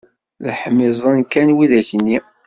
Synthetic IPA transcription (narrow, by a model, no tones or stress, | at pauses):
ləħmɪzˤɑnkænwiðæçənːi